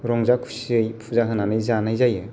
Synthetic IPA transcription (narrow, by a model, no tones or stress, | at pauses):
ɾɔŋzakʰusɯjpʰuzaɦɯnanɯjzanajzajɯ